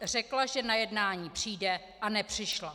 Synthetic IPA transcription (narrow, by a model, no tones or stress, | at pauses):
r̝ɛklaʒɛnajɛdnaːɲiːpr̝̥iːdɛ | ʔanɛpr̝̥ɪʃla